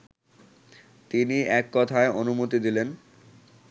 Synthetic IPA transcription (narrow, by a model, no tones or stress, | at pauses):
t̪iniɛkːɔt̪ʰaeonumot̪id̪ilen